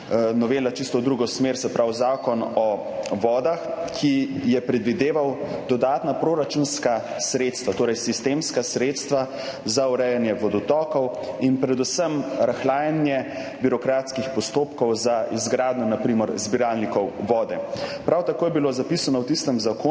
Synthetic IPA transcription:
nɔʋeːlat͡ʃist̪ɔd̪ɾuːɡɔsmeɾsɛpɾʔawzaːkɔnɔ | ʋɔːd̪axkʰijɛpɾɛd̪ʋid̪eːʋawd̪ɔd̪aːt̪napɾoɾat͡ʃunska | sɾet̪st̪ʋat̪oːɾɛjsist̪emskasɾeːt̪st̪ʋa | zauɾɛjanjɛʋɔd̪ɔt̪ɔːkɔwinpɾɛd̪usəmɾaxlaːjɛnjɛ | biɾɔkɾat̪skixpɔst̪oːpkɔwzaizɡɾaːd̪nɔnapɾiməɾzbiɾalnikɔwʋɔːd̪ɛpɾawt̪akoːjɛbilozapisanɔwt̪ist̪əmzako

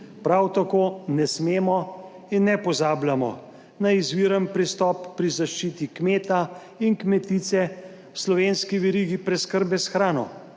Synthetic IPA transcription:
pɾawt̪akoːnɛsmeːmɔ | inːɛpɔzaːblʲjamɔ̰ | naizʋiɾənpɾist̪ɔpːɾizaʃt͡ʃiːt̪ikmeːt̪a | inkmɛt̪it̪sɛ | wslɔʋeːnskiʋɛɾiːɡipɾɛskəɾbɛsxɾaːnɔ̰

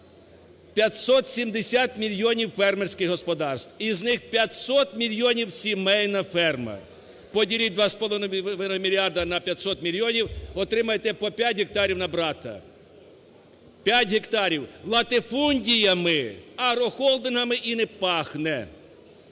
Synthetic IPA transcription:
pʲjɐt̪ʲsɔt̪sʲimd̪esʲat̪mʲilʲjɔnʲiwfɛrmersʲkɪɣɦɔspɔd̪ɑrst̪wiznɪxpʲjɐt̪ʲsɔt̪mʲilʲjɔnʲiwsʲimɛjnɐfɛrmɐ̰ | pɔdʲilʲid̪ʋɑspɔlˠɔnʋɪnɔmʲilʲiɑrd̪ɐnɐpʲjɐt̪ʲsɔt̪mʲilʲjɔnʲiwɔt̪ɾɪmɐjet̪ɛpɔpʲjatʲɦek̚t̪ɑɾʲiwnɐbɾɑt̪ɐ̰ | pʲjatʲɦekt̪ɑɾʲiwlˠɐt̪ɪfunʲdʲijɐmɪɐɾɔxɔlˠd̪ɪnɦɐmɪʔinɛpɑxnɛ

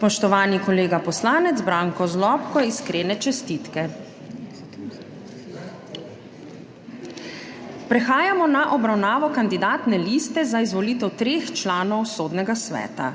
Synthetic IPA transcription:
spɔʃt̪ɔʋaːnikɔleːɡapɔslaːnɛd̪zbɾaːŋkɔzlɔːpkɔiskɾeːnɛt͡ʃɛst̪iːt̪kɛ | pɾɛxaːjamɔnaʔɔbɾawnaːʋɔkand̪id̪aːt̪nɛliːst̪ɛzaizʋɔliːt̪ɛwt̪ɾeːxt͡ʃlaːnɔwsoːd̪nɛɡasʋɛ̰ːt̪a̰

